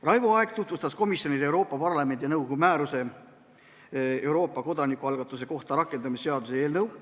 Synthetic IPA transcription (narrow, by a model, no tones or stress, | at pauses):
rɑjvuɑe̞ɡ̥t̪ut̪vust̪ɑsko̞misjo̞nid̪ewɾo̞ːpːˑɑpɑrlɑme̞nʲd̪̥inɤwɡ̥umæːɾuse̞ | ewɾo̞ːpːˑɑko̞d̪̥ɑnikːˑuɑlɡ̥ɑt̪ːˑuse̞ko̞ht̪ɑɾɑkːˑe̞nd̪ɑmisːe̞ɑd̪̥usee̞ːlnɤw